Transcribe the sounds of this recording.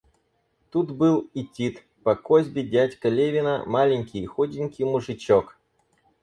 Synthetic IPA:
t̪ut̪bɨlˠɪtʲit̪ | pɐkozʲbʲɪdʲætʲkɐlʲevʲɪnə̰malʲɪnʲkʲɪjxodʲɪnʲkʲɪjmʊʐɨt͡ɕok

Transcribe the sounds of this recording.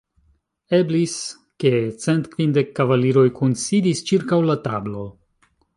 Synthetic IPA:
e̞blis | ke̞t͡se̞ntkvindekːavaliɾo̞jkunsidist͡ʃiɾkawlatablo̞

